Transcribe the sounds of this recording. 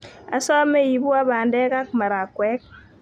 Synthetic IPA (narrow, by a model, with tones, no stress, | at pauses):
a̰˨˦sɔ˦me˦i˨bu˦a˦βa˨ndɛ˦ka˦k̚ma˨ɾa˨kwɛ˦k̚